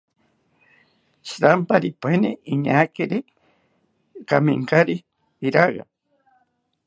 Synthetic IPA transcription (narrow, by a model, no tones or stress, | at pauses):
ʃɾampaɾipeniʔiɲakiɾi | kamḭŋkaɾi | iɾaɢa̰